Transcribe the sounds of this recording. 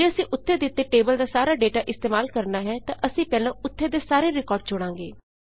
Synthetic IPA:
d͡ʒeːəsĩːʔʊt̪ʰːeːd̪ɪt̪ːeːʈeːbəld̪aːsaːɾaːɖeːʈaːʔɪst̪eːmaːlkəɾnaːɦɛːt̪ãʔəsĩːpɛːlãːʊt̪ʰːeːd̪eːsaːɾeːɾɪkɔːɾɖ̚d͡ʒʊɽ̃ãːŋɡḛː

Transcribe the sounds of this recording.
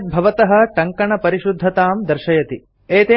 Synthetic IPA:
t̪̚bʱɐʋɐt̪ɐɦɐ̆ʈɐŋkɐɳɐpɐɾiʃud̪ʱːɐt̪aːmd̪ɐɾʃɐjɐt̪i | eːt̪eː

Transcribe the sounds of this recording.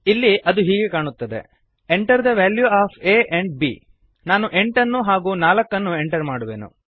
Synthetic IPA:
ilːiʔɐd̪uɦiːɡe̞kaːɳut̪ːɐd̪e̞̰ | eɳʈɐɾd̪ɐʋaːljuaːpʰeːʔeɳɖ̚bḭː | naːnuʔe̞ɳʈɐnːuɦaːɡuːnaːlɐkːɐnːue̞ɳʈɐɾmaːɽuʋḛːnṵ

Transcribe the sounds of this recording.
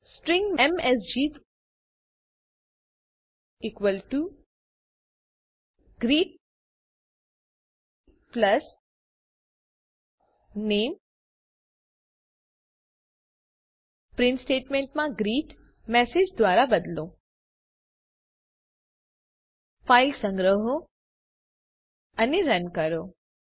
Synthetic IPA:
sʈɾɪ̃ŋɡmɛmesd͡ʒi | ikʋəlʈu | ɡɾiːʈ̚ | plɐs | neːm | pɾɪ̃nsʈeːʈmẽɳʈmãɡɾiːʈ | mɛsed͡ʒd̪ʋaːɾabəd̪lo | faɪlsə̃ŋɡɾəɦo | əneɾənkəɾo

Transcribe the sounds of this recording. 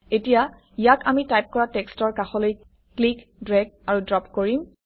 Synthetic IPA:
etija | ijakamitajp̚kɔɹatɛkstɔɹkaxɔloj | klik | dɹɛɡ̚aɹudɹɔpkoɹim

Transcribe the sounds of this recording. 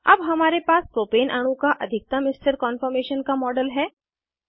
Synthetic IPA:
ɐ̰bɦɐmaːɾepaːspɾoːpeːnʔaːɽ̃ũkaʔɐd̪ʱɪk̚t̪amɪsʈəɾkɔːnfəɾmeːʃənkamɔːɖəlɦɛː

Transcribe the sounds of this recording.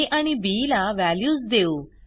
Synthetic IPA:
ʔaɽ̃ibilaʋæljuːsd̪eu

